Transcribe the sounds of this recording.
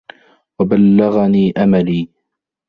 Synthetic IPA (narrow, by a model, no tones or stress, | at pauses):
wabalːaɣaniːʔamaliː